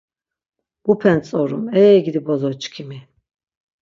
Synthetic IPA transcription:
b̥upʰɛnt͡sʼɔɾumɛːɡid̪ibɔzɔt͡ʃkʰimi

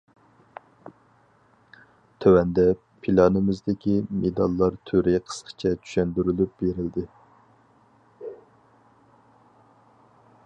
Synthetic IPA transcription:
t̪ʰøwɛnd̪ɛ | pʰilˠɑnɨmɪzd̪ɪkʲimed̪ɑlˠːɑɾt̪ʰøɾɪqʰə̥sqʰə̥t͡ʃʰɛt͡ʃ̪ʰy̥ʃɛnd̪yɾylyp̚beɾɪld̪ɪ

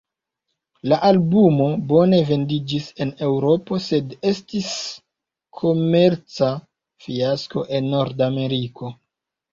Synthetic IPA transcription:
laʔalbumo̞bo̞ne̞ve̞ndid͡ʒise̞ne̞wɾo̞po̞se̞de̞stis | kʰo̞me̞ɾt͡sa | fiasko̞ʔe̞nːo̞ɾdame̞ɾiko̞

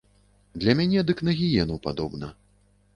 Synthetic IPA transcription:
d̪lʲɐmʲanʲɛd̪ɨknɐɣʲijɛnuwpad̪ɔbnɐ

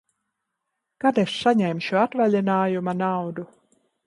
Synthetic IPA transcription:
kad̪essaɲɛjmʃuat̪valʲɛnaːjumanawd̪u

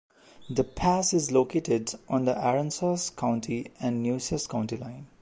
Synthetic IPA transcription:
d̪əpʰæsɪzloːkeːʈɪɖʔɔ̃nd̪əʔæɾə̃nsaskʰãʊ̃ɳʈʰiæ̃nɖnjuːsəskãʊ̃ɳʈilãɪ̃n

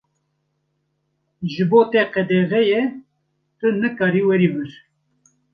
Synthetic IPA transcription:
ʒɨboːt̪ɛqɛd̪ɛɣɛjɛ | t̪ɨnɨkɑːɾiːwɛɾiːbɨɾ

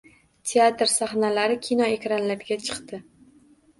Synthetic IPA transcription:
t̪ʲʰe̞at̪ɾsaχnalaɾɪkʲʰinɒekʲɾanlapɡʲat͡ʃʰɨ̥qt̪ɪ

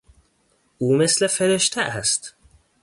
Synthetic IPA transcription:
ʔuːmeslefeɾeʃt̪ʰæʔæst̪

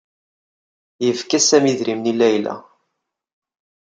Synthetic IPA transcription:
jəvkæsæmiðɾimnilːæjlæ̰

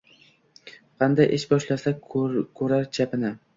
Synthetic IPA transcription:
qʰɑnd̪ajʔeʃbɒʃlasakʰɵɾaɾt͡ʃʰapɪnɪ

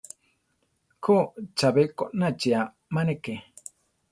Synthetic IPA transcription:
kʰot͡ʃabekoʔnat͡ʃia | maneke

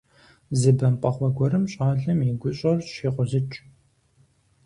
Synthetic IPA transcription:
zɨbɐmpʼɐχʷɔɡʷɔɾɨmɕʼaːɮɐmjiɡʷʊɕʼɐrɕiːqʷʊzɨt͡ʃʼ

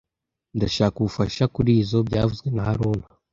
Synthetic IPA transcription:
ndaʃaːkuufaʃakuɾiːzo̞bɟaːvuzɡwe̞nahaɾoːna

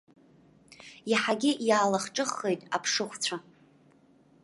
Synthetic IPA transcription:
jiħaɡʲɪjaːlaχʈ͡ʂʼɨχːejtʼa̰pʰʂɨχʷt͡sʷʰa

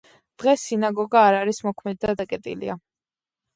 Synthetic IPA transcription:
d̪̥ʁɛsinaɡɔɡaːɾaɾismɔkʰmɛd̪d̪ad̪akʼɛt̪ʼḭlḭa

